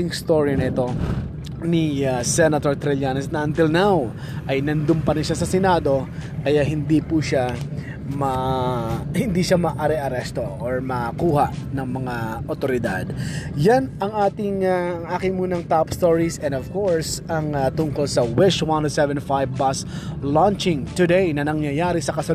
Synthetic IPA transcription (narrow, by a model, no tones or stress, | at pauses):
ɪŋst̪oɹinɐɪt̪o̞ | niasɛnɐt̪oɹt̪ɾɛlanɛsnɐʔɐnt̪ɪlnaw | ʔɐjnɐnd̪ʊmpɐɾɪnʃasɐsɛnaːd̪o̞kɐjaɦɪnd̪ipuʃa | mɐ | hɪnd̪iʃamɐʔɐɾɛʔɐɾɛst̪o̞ʔoɹmɐkuːhaʔnɐŋmɐŋaʔot̪oɾɪd̪a̰d̪janɐŋʔaːt̪ɪŋaɐŋʔaːkɪŋmuːnɐŋt̪apst̪oɹisɛ̃nd̪ov̥koɹsɐŋt̪ʊŋkolsɐwɪʃwant̪ʊsɛvɛnfajvbas | lant͡ʃɪŋt̪ʊd̪ɛjnɐnɐŋjɐjaːɾisɐkɐsɐ